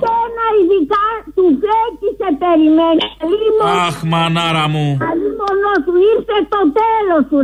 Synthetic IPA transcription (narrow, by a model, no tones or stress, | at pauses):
enaiðikat̪ufecisepeɾimenilimoaxmanaɾamualimonosuiɾθet̪ot̪elosu